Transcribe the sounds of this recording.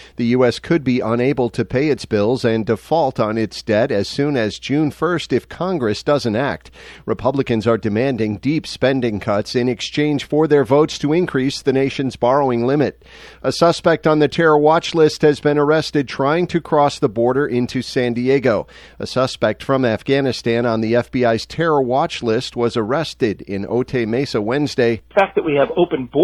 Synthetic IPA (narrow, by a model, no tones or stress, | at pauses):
ðɨjʉɛskʰɨd̚biʔə̃neɪbl̩ˠtʰɨpʰeɪɨtsb̥ɪlˠzɨ̃ndɨfɔlˠtn̩ɪtsd̥ɛɾɨz̥sʉ̃nɨzd͡ʒʉ̃nfɜ˞stɨfkʰɑ̃ŋɡɹɨsd̥ʌzɨ̃n̩tæ̰k̚t̚ɹɨpʰʌblɨkɨ̃nzə˞dɨmæ̃ndɪ̃ŋdipspɛ̃ndɪ̃ŋkʰʌtsɨ̃nɨkst͡ʃʰẽɪ̃nʒ̥fə˞ðə˞voʊtstʰɨɪ̃nkʰɹ̥isðɨneɪʃɨ̃n̩zbɑɹoʊɪ̃ŋlɪ̃mɨt | əsʌspɛk̚tn̩ðɨtʰɛɹəwɑt͡ʃlɪst̚hɨzbɨ̃ñə˞ɛstɨd̚tʰɹ̥aɪɪ̃ŋtʰɨkʰɹ̥ɔsðəbɔɹɾə˞ʔɪ̃ntʰʉsæ̃ndieɡoʊ | ə̰sʌspɛk̚tfɹʌ̃mæfɡ̥ænɨstæ̃nə̃nðiɛfb̥iaɪz̥tʰɛɹə˞wɑt͡ʃlɪst̚wʌzə˞ɛstɪɾɪ̃no̰ʊtʰeɪmeɪsəwɛ̃nzdeɪfæk̚ðɨʔ̚wiɨvoʊpɨ̃nb